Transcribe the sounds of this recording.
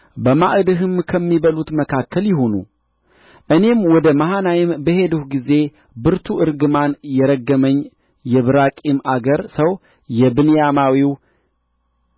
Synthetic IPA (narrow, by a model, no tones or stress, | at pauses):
bəmaʔɨd̪ɨɦɨmkʰəmːiβəlut̪məkʰakʰːəljɪɦonṵ | ʔɨne̞mwɔd̪əmahanajɪmbəhe̞d̪uhɡize̞ | bɨɾt̪ʰuʔɨɾɡɨmanjɛɾəɡːəməɲː | jɛβɨɾakʼimʔaɡəɾsəw | jɛbɨnjamawiw